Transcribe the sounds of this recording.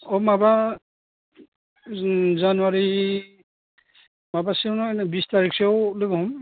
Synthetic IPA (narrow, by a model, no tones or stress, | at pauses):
ɔmaba | zanuwaɹi | mabasinabistaɹiksawloɡɔɦum